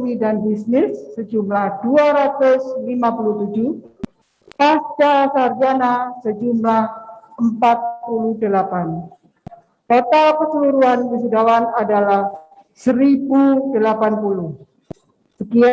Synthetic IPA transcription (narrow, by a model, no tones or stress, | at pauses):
midanbisnɪsːəd͡ʒumlahduaɾat̪ʊslimapuluht̪ud͡ʒuh | pastasard͡ʒanasəd͡ʒumlahəmpat̪̚pulʊhdəlapan | k̪ot̪alpərsəluɾuankəs̬udawanadalah | səɾibudəlapanpulʊh | səkia